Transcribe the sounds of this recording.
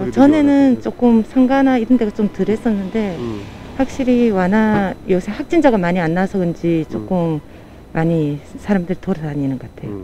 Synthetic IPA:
ʌt͡ɕʌne̞nɯnt͡ɕ͈ok͈ɯmsʰaŋɡanaiɾʌnde̞ɡat͡ɕomtɯɾɦe̞s͈ʌnːɯnde̞ | ɸwak̚ɕ͈iɾiwanajʌsʰehak̚t͡ɕ͈ind͡ʑaɡamaɲianːasʰʌɡɯnd͡ʑit͡ɕ͈ok͈ɯmː | aɲisʰaɾamdɯɾitoɾaaɲinɯŋɡʌk͈atʰe̞̰jo

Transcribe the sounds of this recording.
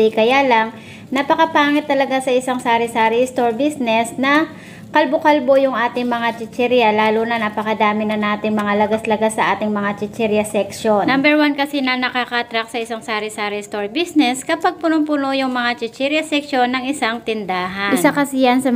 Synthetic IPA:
kɐjaːlɐŋ | nɐpɐkɐpaːŋɪt̪ːɐlɐɡasɐʔɪsaŋsaːɾɛsaːɾɛst̪o̞ɹbisnɛsnɐ | kɐlbokɐlbo̞jʊŋʔaːt̪ɪŋmɐŋat͡ʃɪt͡ʃɛɾjɐlaːlunɐnɐpɐkɐd̪aːmɪnɐnaːt̪ɪŋmɐŋalɐɡaslɐɡasːɐʔaːt̪ɪŋmɐŋat͡ʃɪt͡ʃɛɾjɐsɛkʃonnɐmbɛɹwankɐsɛnɐnɐkakat̪ɾak̚sɐʔɪsaŋsaːɾɪsaːɾɛst̪o̞ɹbisnɛskɐpaɡ̚pʊnopʊnojʊŋmɐŋat͡ʃɪt͡ʃɛɾjɐsɛkʃo̞nːɐŋɪsaŋt̪ɪnd̪aːɦɐnɪnsakɐsɪjɐnsɐ

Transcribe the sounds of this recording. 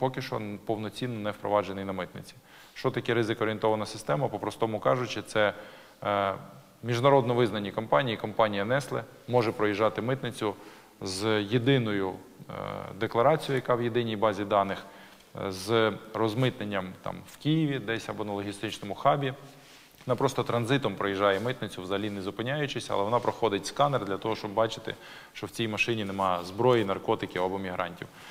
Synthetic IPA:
pɔkɪʃt͡ʃɔ̰pɔwnɔt͡sʲinːɔnɛwpɾɔ̰ʋɑd͡ʒenɪjnɐmɪt̪nɪt͡sʲi̥ | ʃt͡ʃɔt̪ɐkɛɾɪzɪkɔɾʲent̪ɔʋɐnɐsɪ̥st̪ɛmɐpɔpɾɔst̪ɔmʊkɑʒʊt͡ʃɪt̪sɛ | mʲiʒnɐɾɔd̪nɔʋɪznɐnʲːikɔmpɑnʲijikɔmpɑnʲijɐnɛslˠɛ | mɔʒɛpɾɔjiʒːɑt̪ɪmɪt̪nɪt͡sʲʊ | zjed̪ɪnɔjʊ | d̪eklˠɐɾɑt͡sʲijʊjɐkɑwjed̪ɪnʲijbɑzʲid̪ɑnɪx | zrɔzmɪt̪nenʲːɐmt̪ɑ̰mwkʲijiʋʲid̪ɛsʲɐbɔnɐlˠɔɦʲist̪ɪt͡ʃnɔmʊxɑbʲi | ɔnɑpɾɔst̪ɔt̪ɾɐnzɪt̪ɔmpɾɔjiʒːɑjɛmɪt̪nɪt͡sʲʊwzɐlʲinɪzʊpɪnʲajʊt͡ʃɪsʲɐ̰lˠɛʋɔnɑpɾɔxɔd̪ɪtʲskɑnerd̪lʲɐt̪ɔɦɔʃt͡ʃɔbbɑt͡ʃɪt̪ɪ̰ | ʃt͡ʃɔwt͡sʲijmɐʃɪnʲinemɑjzbɾɔjijnɐrkɔt̪ɪkʲiɐbɔmʲiɦɾɑ̰nʲtʲiw

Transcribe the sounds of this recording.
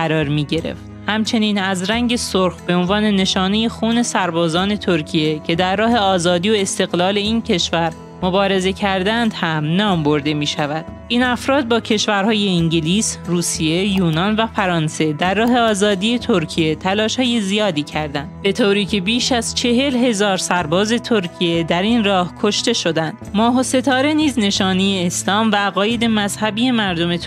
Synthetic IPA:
ɢæɾɒːɾmiːɟe̞ɾḛft̪hæmt͡ʃʰe̞niːnæzɾæŋɟe̞soɾxbe̞onvɒːne̞ne̞ʃɒːne̞je̞xuːne̞sæɾbɒːzɒːne̞t̪ʰoɾcʰijecʰe̞d̪æɾːɒːɦe̞ɒːzɒːd̪iːoe̞st̪e̞ɣlɒːle̞iːncʰe̞ʃvæɾ | mo̞bɒːɾe̞ze̞cʰæɾd̪ænd̪hæmnɒːmbo̞ɾd̪e̞miːʃævæd̪̥ʔiːnæfɾɒːd̪̚bɒːcʰe̞ʃvæɾhɒːje̞iŋɟeliːsruːsije̞juːnɒnvæfæɾɒːnse̞d̪ærːɒːɦe̞ɒːzɒːd̪ije̞t̪ʰoɾcʰije̞t̪ʰælɒːʃhɒːje̞zijɒːd̪iːcʰæɾd̪ænd̪be̞t̪ʰoɾiːcʰe̞biːʃæzt͡ʃʰe̞ɦe̞lɦe̞zɒːɾsæɾbɒːze̞t̪ʰoɾcʰije̞d̪æɾiːnrɒːhkʰo̞ʃt̪e̞ʃo̞d̪ænd̪mɒːɦo̞se̞t̪ʰɒːɾe̞niːzne̞ʃɒːnijeːslɒːmvæːɣɒːje̞d̪e̞mæzhæbiːe̞mæɾd̪o̞me̞t̪ʰ

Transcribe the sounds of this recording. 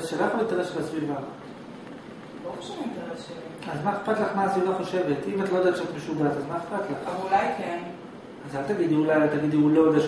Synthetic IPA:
ʃelaχolet̪aʁeʃlasviva | loχoʃvtʁʃeazmaeχpat̪laχmaːsvivaχoʃevet̪imat̪lood̪atʃeat̪meʃuɡazazmaeχpat̪laχulajken | azhalt̪aɡid̪iulajalt̪aɡid̪iulod̪aʃ

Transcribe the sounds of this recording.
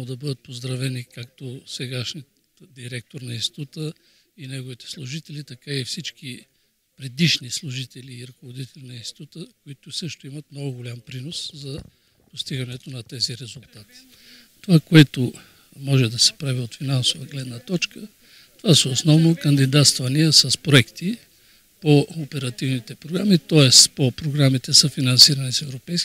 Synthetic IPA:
od̪ɐbɤd̪ət̪̚pozd̪ɾɐvɛnikakt̪osɛɡaʃni | d̪iɾɛk̚t̪oɾnɐĩnst̪ʲi̥t̪ut̪ə | inɛɡovit̪ɛ̥slˠuʒit̪ɛlit̪ɐkaifsit͡ʃk̟i | pɾɛd̪iʃnislˠʊʒit̪ɛliːɾɐkovod̪it̪ɛlʲinɐinst̪i̥t̪ut̪əkoit̪ʊsɤʃt̪ʊimɐt̪mnɔɡʊɡʊlʲampɾinoszɐ | post̪iɡɐnɛt̪onɐt̪ɛziɾɛzʊlˠt̪at̪i̥ | t̪ovakoɛt̪ʊ | mɔʒɛd̪ɐsɛ̥pɾaviot̪finansovəɡlɛd̪nət̪ɔt͡ʃkə | t̪ovasɛosnɔvnokɐnd̪id̪at̪st̪vɐniɛsəspɾoɛkt̪i | poopɛɾɐt̪ivnit̪ɛpɾoɡɾamit̪ɔɛspopɾoɡɾamit̪ɛsɐfinɐnsiɾɐnisɛvɾopɛjsk

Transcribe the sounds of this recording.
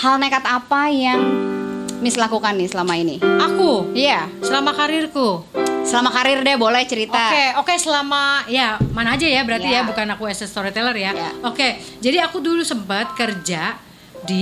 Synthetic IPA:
halnekat̪apajaŋ | mislakukanːɪsəlamainiakujasəlamakaɾɪrkusəlamakaɾɪrdɛbolɛht͡ʃəɾit̪oakeokesəlamajamanaːd͡ʒajabəɾart̪ijabukanakuɛsɛst̪oɾit̪ɛlərjaja̰oke | d͡ʒadiakudulusəmpət̪̚kərd͡ʒa | di

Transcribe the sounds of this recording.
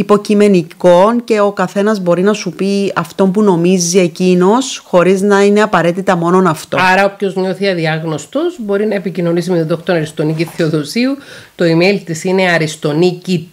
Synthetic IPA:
ipo̞cime̞niko̞nce̞o̞kɐθe̞nɐzbo̞ɾinɐsupiɐft̪o̞mpuno̞mizie̞cino̞sxo̞ɾiznɐine̞ɐpɐɾe̞t̪it̪ɐmo̞no̞nɐft̪o̞ɐɾɐopço̞zɲo̞θiɐðiɐɣno̞st̪o̞zbo̞ɾinɐepicino̞nis̬imet̪oðoxt̪onɐɾist̪o̞niciθeoðo̞siut̪o̞imejlt̪isine̞ɐɾist̪o̞nici

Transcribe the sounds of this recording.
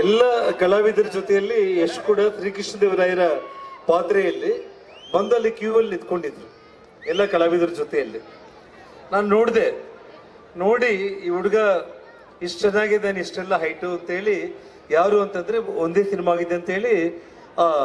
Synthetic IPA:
ɛlːɐɡɐlaːʋid̪ɐɾɐd͡ʒot̪ɛjɐlːieʂʈkuːɽɐt̪ɾiːkiʂɐd̪eʋɐɾaːjɐɾɐpaːt̪ɾɛjɐlːi | bɐnd̪ɐlːikjuːʋɐlːnid̪ko̞ɳɖid̪ːɾu | ɛlːɐɡɐɭaːʋid̪ɐɾɐd͡ʒot̪ɛjɐlːi | naːnuno̞ːɽd̪e̞ | no̞ːɽiiːuɽɐɡɐ | iʂʈt͡ʃɛnːaːɡed̪eːniʂʈɛlːɐɦɐjʈuɐnt̪ɐɦe̞ːɭi | jaːɾuːɐnt̪ɐnd̪ɐɾeond̪efinmɐaːɡid̪eɐnt̪ɐɦe̞ːɭi

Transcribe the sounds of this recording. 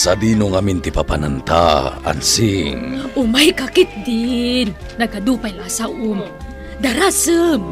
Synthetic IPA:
sad̪inuŋamint̪ipapanant̪aa̰nsiŋumajkakit̪̚d̪inːaɡad̪upajlasaʔum | d̪aɾasəm

